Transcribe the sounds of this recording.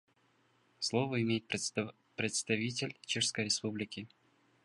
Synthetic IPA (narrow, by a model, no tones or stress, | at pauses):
slˠovəɪmʲejɪt̪ | pɾʲɪt̪st̪ɐvʲitʲɪlʲt͡ɕeʂskəjɾʲɪspublʲɪkʲɪ